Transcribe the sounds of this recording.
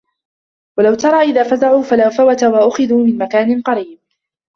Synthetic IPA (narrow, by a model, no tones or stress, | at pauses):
walawt̪ɑɾˤɑːʔɪðaːfazaʕuːfalawfawat̪awaʔʊxɪðuːmɪnmakaːnɪnqɑɾiːb̚